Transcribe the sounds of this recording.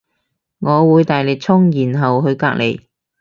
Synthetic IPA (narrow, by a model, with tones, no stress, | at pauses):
ŋɔː˨˧wuː˨˧jt̪aː˨jlɪ˨k̚t͡sʰʊ˥ŋjiː˨˩nɦɐ˨wɦɵ˧ɥkaː˧k̚le˨˩j